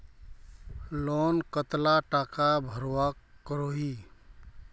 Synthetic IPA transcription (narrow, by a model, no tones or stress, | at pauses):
lɔnkət̪laʈakabʱəɾwakəɾoɦi